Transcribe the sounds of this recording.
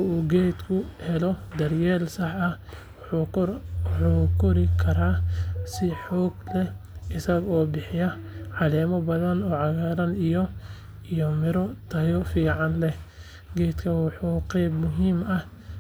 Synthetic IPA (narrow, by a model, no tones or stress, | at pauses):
uːɡɛjd̪kʰʊhɛlɔd̪ɐrjɛːlsɑħɐ | ħuːkʰɔɾɪkʰɐɾaːsɪħɔːɡlɛʔɪsɐɣɔːbɪħɪjɐʕɑlɛːmɔbɐðɐnɔːʕɑɣaːɾɐnijɔ | ijɔmɪɾɔt̪ʰɐjɔfiːʕɑnlɛ | ɡɛjd̪kʰɐwɑħuːqɛjbmʊɦiːmɐh